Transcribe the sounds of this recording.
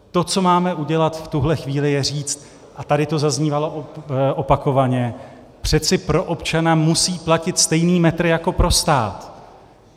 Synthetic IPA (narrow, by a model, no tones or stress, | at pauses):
t̪o̞t͡so̞maːmɛʔuɟɛlat̪ft̪uɦlɛxviːlɪjɛriːt͡st̪̚ | ʔat̪adɪt̪o̞zazɲiːvaloʔʔopako̞vaɲɛ | pr̝̥ɛt͡sɪpɾo̞ʔo̞pt͡ʃanamusiːplacɪt̪st̪ɛjniːmɛt̪ɾɪjako̞pɾo̞st̪a̰ːt̪